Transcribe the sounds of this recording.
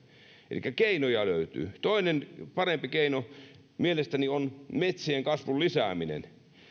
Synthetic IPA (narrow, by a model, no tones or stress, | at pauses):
ʔḛlḭkːækeinojɑløyt̪y̰ːt̪oinenpɑrempikeino | mielest̪ænionmet̪sieŋkɑsʋullisæ̰ːˑminḛn